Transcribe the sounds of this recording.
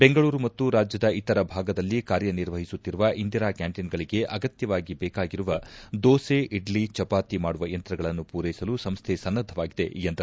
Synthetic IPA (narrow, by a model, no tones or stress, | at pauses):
be̞ŋɡɐɭuːɾumɐt̪ːuɾaːd͡ʒjɐd̪ɐit̪ɐɾɐbʱaːɡɐd̪ɐlːikaːɾjɐniɾʋɐɦisut̪ːiɾuʋɐʔind̪iɾaːkjaːɳʈinɡɐɭiɡe̞ʔɐɡɐt̪jɐʋaːɡibɛːkaːɡiɾuʋɐd̪oːse̞ʔiɖlit͡ʃɐpaːt̪imaːɽuʋɐjɐnt̪ɾɐɡɐɭɐnːupuːɾejisɐlusɐmst̪ʰe̞sɐnːɐd̪ʱːɐʋaːɡid̪e̞̰jɐnd̪ɐ